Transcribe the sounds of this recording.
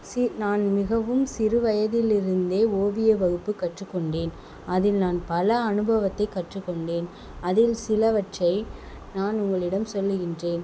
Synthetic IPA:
sɪnaːnmɪɣɐʋɯmsɪɾɯʋɐjɐðɪlɪɾɯnd̪eːoːʋɪjɐʋɐɣɯpːɯkːɐʈrɯkːɔɳɖeːn | ɐðɪlnaːnpɐlɐɐnɯbɐʋɐt̪ːɐɪkːɐʈrɯkːɔɳɖeːn | ɐðɪlsɪlɐʋɐʈrɐɪ | naːnʊŋɡɐɭɪɽɐmsɔlːɯɣɪndreːn

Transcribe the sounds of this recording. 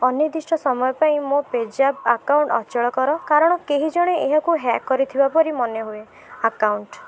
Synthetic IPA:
ɔnid̪isʈʰɔsɔmɔjɔpaĩmoped͡ʒapakawɳʈɔ̰t͡ʃɔɭɔkɔɾɔkaɾɔɽ̃ɔkeɦid͡ʒɔɽ̃eeɦɔkuɦakːɔɾit̪ʰibapɔɾimɔneɦue | akawɳʈ

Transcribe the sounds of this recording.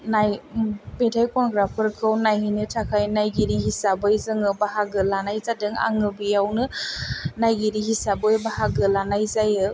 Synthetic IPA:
najpetʰajkɔnɡɾapʰɯɾkʰɯwnajhinɯtʰakʰajnajɡiɾihisabɯjzɯŋɯbaɦaɡɯlanajzadɯŋa̰ŋɯbijawnɯ | najɡiɾihisabɯjbahaɡɯlanajzajɯ

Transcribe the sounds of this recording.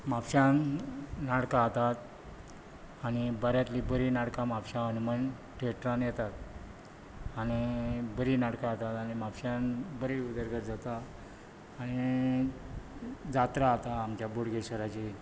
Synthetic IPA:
mapɕannaɽkat̪at̪ | aɽ̃ibəɾjat̪libəɾinaɽkamapɕãənuməɳ | ʈʰeʈɾanjɛt̪at̪̚ | aɽ̃ibəɾinaɽkaːt̪at̪aɽ̃imapɕanbəɾiud̪əɾɡəɾd͡zat̪aː | ɽ̃i | d͡zat̪ɾaːt̪aːmt͡ɕjaboɽɡeɕəɾat͡ɕi

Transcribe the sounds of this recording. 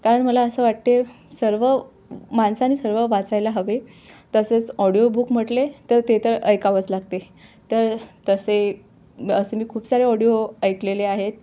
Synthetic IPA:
kaɾəɳməlaəsəːʋaʈ̚t̪e | səɾʋə | mansañiːsəɾʋəʋat͡sajlaɦəʋet̪əset͡sɔɽijobukm̤əʈlet̪əɾt̪et̪əɾəjkaʋət͡slaɡt̪e | t̪əɾt̪əse | əsemiːkʰuːpsaɾeɔɽijoəjkleleaɦet̪̚

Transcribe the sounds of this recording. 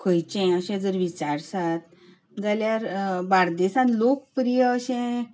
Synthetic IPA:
kʰəjt͡ɕɛ̃əɕɛ̃d͡zəɾʋit͡ɕaɾsat̪̚ | d͡zaljaɾbaɽd̪esãnlok̚pɾijəəɕɛ̃

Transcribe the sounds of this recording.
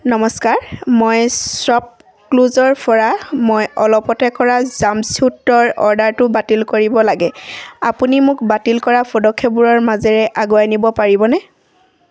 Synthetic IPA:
nɔmɔskaɹmojsɔp̚ | kluzɔɹpʰɔɹamojɔlɔpɔtɛkɔɹazamsutɹɔɹɔ̰ɹdaɹtʊbatilkoɹibɔlaɡɛapunimʊkbatilkɔɹapʰɔdɔkʰːɔbuɹɔɹmazɛɹɛʔaɡoanibɔpaɹibɔnɛ

